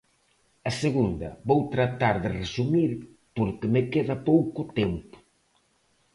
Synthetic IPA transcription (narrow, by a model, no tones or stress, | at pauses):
ɐseɣund̪ɐ̰βowt̪ɾat̪aɾðeresumiɾ | poɾkɪmekeðɐpowkʊt̪empʊ̥